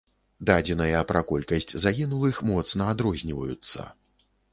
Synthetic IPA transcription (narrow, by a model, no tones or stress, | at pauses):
d̪ad͡zʲɛnɐjɐpɾakɔlʲkɐsʲt͡sʲzaɣʲinulˠɨxmɔt̪snɐad̪ɾɔzʲnʲivɐjut̪sːɐ̰